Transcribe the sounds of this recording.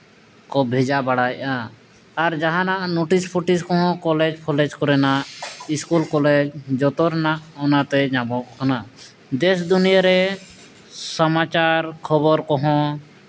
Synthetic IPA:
kɔbʱɛd͡ʒabaɽajʔaː | ɾd͡ʒaɦãnaʔnoʈispʰuʈiskɔ̃ɦɔ̃kɔlɛd͡ʒpʰɔlɛd͡ʒkɔɾɛnaʔiskulkɔlɛd͡ʒd͡ʒɔt̪ɔɾnaʔɔnat̪ɛd͡ʒabɔʔkʰana | d̪ɛsd̪unijaɾɛ | sɔmat͡ʃaɾkʰɔbɔɾkɔɦɔ̃

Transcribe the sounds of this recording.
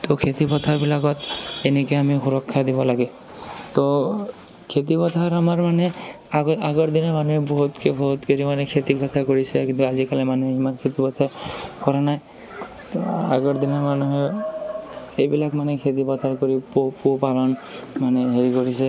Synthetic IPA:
t̪ɔkʰet̪ipɔt̪ʰaɹbilakɔt̪enekeamixuɾɔkʰːad̪ibɔlaɡe | t̪ɔ | kʰet̪ipɔt̪ʰaɾamaɹmane | aɡɔɹd̪inɔmanuɦebɔɦut̪kʰebɔɦut̪keɾimanekʰet̪ipɔt̪ʰakoɹisɛkint̪uazikalemaneimaɹkʰet̪ipɔt̪ʰaɹkɔɾanaj | t̪a̰ɡɔɹd̪inɔmanuɦe | ejbilakmanekʰet̪ipɔt̪ʰaɹkoɾipopopalɔnmaneɦeɾikoɹise

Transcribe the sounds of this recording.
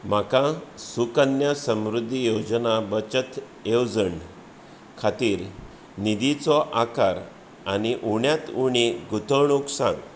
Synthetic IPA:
m̤akãsukənjasə̃mɾud̪ʱːijod͡znabət͡ɕət̪ | ewd͡zəɳ | kʰat̪iːɾ | nid̪it͡sɔʔakaɾ | aniʔuɳjat̪uɳiɡut̪əɳuksã̰n

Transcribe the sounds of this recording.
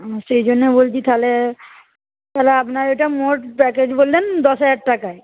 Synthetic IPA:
sejd͡ʒonːebolt̪it̪ʰale | kɛleapnaɾeʈamoʈpɛked͡ʑbolːend̪ɔsaʈʈakae

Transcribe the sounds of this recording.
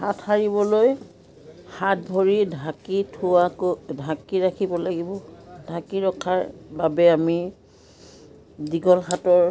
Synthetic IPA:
hatʰaɹibɔloj | hat̚bʱoɹidʱakitʰuakodʱakiɹakʰibɔlaɡibɔdʱakiɹɔkʰːaɹbabɛami | diɡɔlxatɔɹ

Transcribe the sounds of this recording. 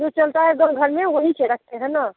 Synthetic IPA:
d͡ʒot͡ʃəlt̪aɦɛd̪onɡʱəɾmeʋəɦit͡ʃʰɛɾək̚ʰt̪eɦɛna

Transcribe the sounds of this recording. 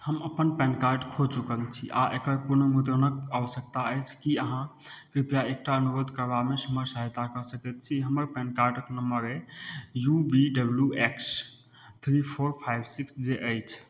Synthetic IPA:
həməpənpɛ̃nkaɾɖkʰot͡ʃukəlt͡ʃʰḭʔaʔekəɾpuɾnəmud̪ɾənəkawsəkt̪aəjt͡ʃʰkiəɦãkɾipjaek̚ʈaənuɾod̪ʱkəɾbamesəməɾsəɦet̪akəsəkɛt̪t͡ʃʰiɦəməɾpɛ̃nkaɾɖəknəmbəɾejubiɖəbljueks | t̪ʰɾipʰoɾpʰajbsiksd͡ʒeʔəjt͡ʃʰ

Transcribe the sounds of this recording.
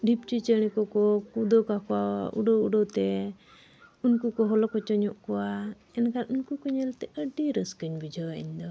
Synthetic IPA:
ɖip̚t͡ʃit͡ʃəñɛkɔkɔkud̪ɔkakɔwaṵɖɔuɖɔt̪ɛ | unkukɔɦɔlɔkɔt͡ʃɔɲɔʔkɔwa | ɛnkanunkukɔɲɛlt̪ɛʔəɖiɾəskəɲbid͡ʒʱɔɡaʔiɲd̪ɔ

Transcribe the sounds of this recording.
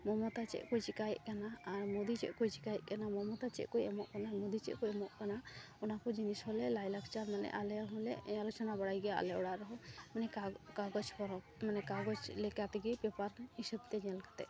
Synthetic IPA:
mɔmɔt̪at͡ʃɛ̰ʔkɔjt͡ʃikajʔkanaːɾmɔd̪it͡ʃɛ̰ʔkɔjt͡ʃikajʔkanamɔmɔt̪at͡ʃɛ̰ʔkɔjamɔʔkanamɔd̪it͡ʃɛ̰ʔkɔjɛmɔʔkana | ɔnakɔd͡ʒinisɦɔlɛlajlakt͡ʃaɾmanɛ̰ʔalɛɾɔɦɔ̃lɛalɔt͡ʃɔnabaɽajɡɛja̰lɛɔɽaʔɾɔɦɔ̃manɛakaɡɔt͡ʃpɔɾɔ | manɛkaɡɔt͡ʃlɛkat̪ɛɡipɛpaɾisəb̚t̪ɛd͡ʒɛlkḁt̪ɛ̰ʔ

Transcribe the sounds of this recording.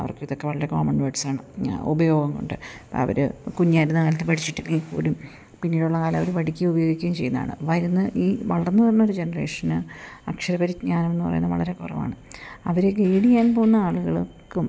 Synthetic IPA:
ɐ̰ɐ̰rkɨiðokːe̞ʋɐɭɐɾe̞ko̞ːmɐɳɖʋeːʈsaːɳɨṵbɐjo̞ːɡɐŋko̞̰ɳɖɨpɐ̰ɐ̰ʋɐ̰ɾɨ̰kuɲːiaːjɾunːɨkɐlɐt̪ːɨpɐʈit͡ɕːiʈːɨniːkːo̰ːɾum | pinːiːɽuɭːɐkaːlɐmɐʋɐɾuʋɐʈikʲːɨubɐjo̞ːɡikʲːaɣɐmt͡ɕe̞jːunːða̰ːɳɨ̰ʋɐɾunːɨʔiːʋɐɭɐrnːɨʋɐɾunːoɾud͡ʑe̞nɐre̞ːʂɐnɨɐkʂɐɾɐbɐɾiɲaːnɐme̞nːɨpɐ̰rɐ̰junːɐʋɐ̰ɭɐɾe̞kurɐ̰ʋa̰ːɳɨɐ̰ʋɐɾekeːɽijaːnpo̞ːɣunːɐaːɭuɣɐɭkɨm

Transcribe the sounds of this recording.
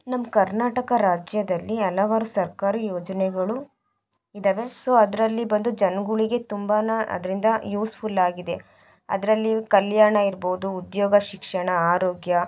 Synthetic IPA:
nɐmːkɐɾnaːʈɐkɐɾaːd͡ʒjɐd̪ɐlːiɛlɐʋaːɾusɐɾkaːɾɐjoːd͡ʒɐnɛɡɐɭu | id̪ɐʋe̞soːɐd̪ɐɾɐlːibɐnd̪ud͡ʒɐnɡuɭiɡe̞t̪umbɐnɐɐ̰d̪ɐɾind̪ɐjuːspʰulaːɡid̪e̞ | ɐ̰d̪ɐɾɐlːikɐljaːɾɳɐiɾboːud̪uːd̪joːɡɐʃikʂɐɳɐaːɾoːɡjɐ

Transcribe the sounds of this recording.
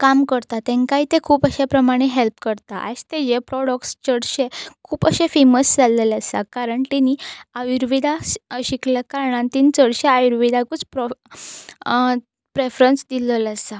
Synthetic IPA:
kamkəɾt̪at̪ẽŋkait̪ekʰuːpəɕapɾəmaɽ̃eɦelpkəɾt̪aʔa̰st̪ed͡ʑepɾɔɽək̚ʈst͡səɽɕekʰuːpəɕefeməsd͡zaləlasa̰kaɾəɳʈiniːajuɾʋid̪aɕikljakaɾɳãnt̪iːnt͡səɽɕeajuɾʋid̪akut͡spɾ | pɾefɾənsd̪ilələsa

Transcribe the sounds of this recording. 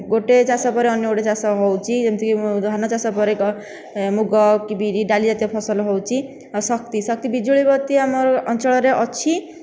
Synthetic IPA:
ɡoʈet͡ʃasɔpɔɾeɔnjɔɡoʈet͡ʃasɔɦɔwt͡ʃʰiemt̪ʰikid̪ʱanɔt͡ʃasɔpɔɾekɔ | muɡɔkibiɾiɖalid͡ʒat̪jɔpʰɔsɔlɦɔwt͡ʃʰi | sɔk̚t̪isɔk̚t̪ibid͡ʒuɭibɔt̪iamɔɾɔnt͡ʃɔɭɔɾeʔɔt͡ʃʰi

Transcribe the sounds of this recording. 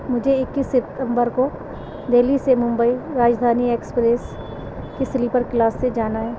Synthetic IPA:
mʊd͡ʒʱeɪkːisɪt̪ə̃mbəɾko | d̪eːlisemʊ̃mbəiɾaːd͡ʒd̪ʱaːnieːkspɾeːs | keslipəɾklaːsːed͡ʒaːnaɦɛː

